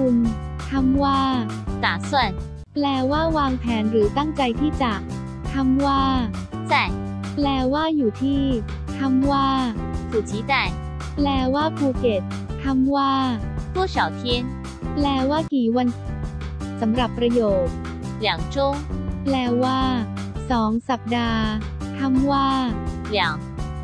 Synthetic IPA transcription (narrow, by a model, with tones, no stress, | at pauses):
ku˧n | k̪ʰa˧˥mwaː˥˩ | naː˨˩˦swa˥˩n | plɛː˧waː˥˩waː˧ŋpʰɛː˩˦nɾɯː˩˦t̪a˥˩ŋt͡ɕa˧jt̪ʰiː˥˩t͡ɕa˨˩ | k̪ʰa˧˥mwaː˥˩ | t͡sa˨˩j | plɛː˧waː˥˩juː˨˩t̪ʰiː˥˩ | k̪ʰa˧˥mwaː˥˩sʰu˨˩t͡ɕʰiː˨˦t͡sa˧˩j | plɛː˧waː˥˩pʰuː˧ke˨˩t̪̚ | k̪ʰa˧˥mwaː˥˩ | t̪ʰu˥˩ɕa˨˦˩wt̪ʰi˧˥əŋ | plɛː˧waː˥˩kiː˨˩wa˧n | sa˩˦mɾa˨˩pːɾa˧joː˨˩t̪̚ | lja˨˩˦ŋt͡ɕo˥˩ŋplɛː˧waː˥˩ | sɔː˩˦ŋsa˨˩p̚daː˧ | t̪ʰa˧˥mwaː˥˩lja˨˩˦ŋ